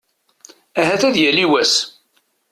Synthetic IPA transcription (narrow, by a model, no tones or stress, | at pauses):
æɦæθæðjæliwæs